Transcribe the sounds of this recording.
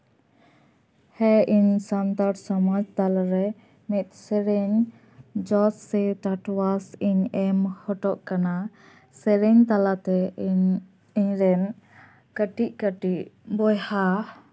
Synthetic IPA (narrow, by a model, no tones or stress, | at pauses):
hɛʔiɲsant̪aɾsɔmad͡ʒt̪alaɾɛ | mit̪̚ˀsɛɾɛɲ | d͡ʒɔsːɛt̪aʈwasiɲɛmhɔʈɔʔkana | sɛɾɛɲt̪alat̪ɛ | iɲɾɛn | kəʈiʔkəʈiʔbɔjha